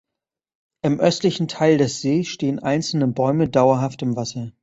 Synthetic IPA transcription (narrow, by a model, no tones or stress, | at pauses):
ʔɪmʔœstlɪçn̩tʰaɪldɛsz̥eːsʃteːənʔaɪnt͡sl̩nəbɔʏmədaʊɐɦaftɪmvasɐ